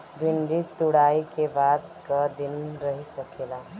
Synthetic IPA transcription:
bʱinɖit̪uɽaikebad̪kəd̪inɾəɦisəkela

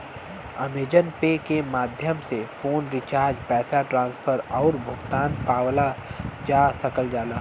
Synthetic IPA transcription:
ɐmeːd͡ʒənpekemaːd̪ʱjəmsefoːnɾɪt͡ʃaːɾd͡ʒpɛːsaʈɾãːnsfʰəɾɔːɾbʱʊɡt̪aːnpaːwlad͡ʒaːsɐkəld͡ʒaːlaː

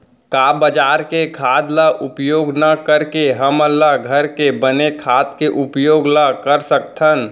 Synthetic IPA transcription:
kaːbəd͡ʒaːɾkekʰaːd̪laʔʊpjoːɡnakəɾkeɦəməlːaɡʱəɾkebənekʰaːt̪keʔʊpjoːɡlakəɾsək̚t̪ʰən

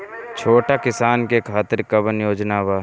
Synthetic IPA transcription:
t͡ʃʰoːʈakɪsaːnkekʰaːt̪ɪɾkɐbənjoːd͡ʒnaːʋaː

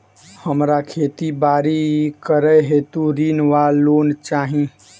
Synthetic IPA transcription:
həmɾakʰet̪ibaɾikəɾɛɦet̪ũɾinʋalont͡ʃaɦĩ

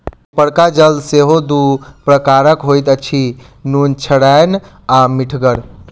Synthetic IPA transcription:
pəɽkad͡ʒəld̪seɦod̪upɾəkaɾəkɦojt̪ət͡ʃʰi | nunt͡ʃʰəɽajn | amiʈʰɡəɾ

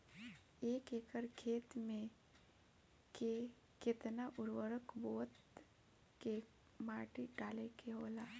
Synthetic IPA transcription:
eːkeːkəɾkʰeːt̪mẽ | ke | kɪt̪naʔʊɾwəɾəkboːt̪ | kːe | maːʈiɖaːlekeɦoːlaː

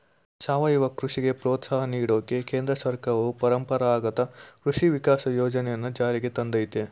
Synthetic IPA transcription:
saːʋɐjiʋɐkɾuʂiɡe̞pɾoːt̪saːɦɐniːɽoːkekeːnd̪ɾɐsɐɾkaɾɐupɐɾɐmpɐɾaaːɡɐt̪ɐkɾuʂiʋikaːsɐjoːd͡ʒɐnɛjɐnːud͡ʒaːɾiɡe̞t̪ɐnd̪ɐjt̪e

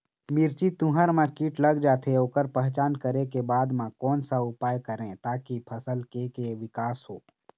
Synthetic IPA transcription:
mɪɾt͡ʃit̪ũɦəɾmãkiːʈləɡd͡ʒaːt̪ʰeoːkəɾpɛɦt͡ʃaːnkəɾekebaːd̪mãkɔːnsaʊpaːjkəɾẽt̪aːkipʰəsəlkekeʋɪkaːsɦoː

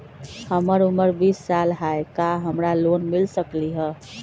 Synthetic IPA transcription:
həməɾuməɾbisːalɦaekaɦəmɾalonmilsəkliɦə

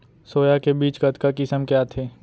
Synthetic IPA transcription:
soːjakebiːt͡ʃɡɐt̪kakɪsəmkjaːt̪ʰeː

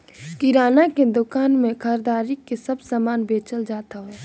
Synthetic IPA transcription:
kiɾaːnaked̪ʊkaːnmẽkʰəɾd̪aːɾikesɐbsaːmaːnbeːt͡ʃəld͡ʒaːt̪aɦoː

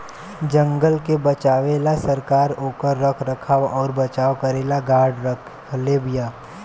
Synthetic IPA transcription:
d͡ʒə̃ŋɡəlkebɐt͡ʃaːʋeːlasɐɾkaːɾoːkəɾːəkʰɾəkʰaːɔːɾbɐt͡ʃaːʋkɐɾeːlaɡaːɖɾəkʰ | leːbijaː

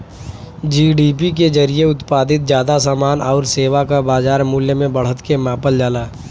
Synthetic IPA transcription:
d͡ʒiːɖiːpik̬ed͡ʒəɾijeʊt̪paːd̪ɪt̪̚d͡ʒjaːd̪asaːmaːnɔːɾseːʋakabaːzaːɾmʊljəmẽbəɽ̤ət̪kemãːpəld͡ʒaːlaː

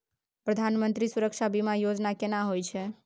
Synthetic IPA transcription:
pɾəd̪ʱanmə̃nt̪ɾisuɾəkʃabimãjod͡ʒnakenãɦojt͡ʃʰe

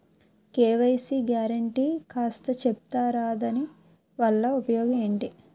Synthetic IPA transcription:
keːʋɐjsiɡjaːɾɐɳʈiːkaːst̪ɐt͡ʃep̚t̪aːɾaːd̪ɐni | ʋɐɭːɐupɐjɔːɡɐe̞ːɳʈi

